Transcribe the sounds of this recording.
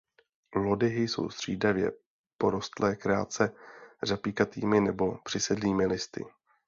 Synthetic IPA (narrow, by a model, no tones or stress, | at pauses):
lo̞dɪɦɪjso̰wst̪r̝̥iːdavjɛ̰ | po̞ɾo̞st̪lɛːkɾaa̰t͡sɛrapiːkat̪iːmɪnɛbo̞pr̥ɪsɛdliːmɪlɪst̪ɪ̰